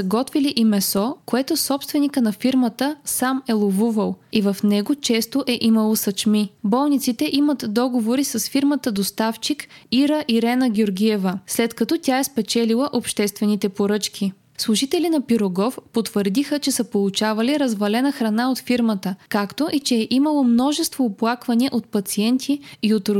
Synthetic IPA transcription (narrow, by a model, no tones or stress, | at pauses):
ɐɡɔt̪viliʔimɛsɔkoɛt̪osɔpst̪vɛnikənɐfiɾmət̪əsamɛlˠovuvəlˠivɐfnɛɡot͡ʃɛst̪oʔɛʔimɐlˠosɐt͡ʃmibɔlˠnit̪sit̪ɛʔimət̪d̪ɔɡovoɾisəsfiɾmət̪əd̪ost̪aft͡ʃikiɾəʔiɾɛnəɡʲioɾɡʲiɛvəslɛt̪kɐt̪ɔt̪ʲaɛspɛt͡ʃɛlilˠəʔopʃt̪ɛst̪vɛnit̪ɛpoɾɤt͡ʃkʰʲi | slˠuʒit̪ɛlinɐpiɾoɡɔfpot̪vəɾd̪ixət͡ʃɛsəpolˠut͡ʃavɐliɾɐzvɐlɛnəxɾɐnaot̪fiɾmət̪əkakt̪oʔit͡ʃɛɛʔimɐlˠomnɔʒɛst̪voːplˠakvɐniʔot̪̚pɐt̪siɛnt̪ʰiiot̪